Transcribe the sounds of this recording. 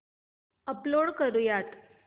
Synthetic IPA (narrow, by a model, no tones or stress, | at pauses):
əploɽkəɾujat̪